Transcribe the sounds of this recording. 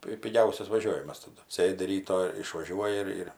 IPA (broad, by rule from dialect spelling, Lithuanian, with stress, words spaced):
ˈpʲɪ pʲɪˈɡʲɛʊsʲɛs ʋɐˈʒʲoːʋʲɪmɐs tɐˈdʊ ˈsʲeːdʲɪ ˈrʲiːtoː ɪʃʋɐˈʒʲuɔjɪ ɪr ɪr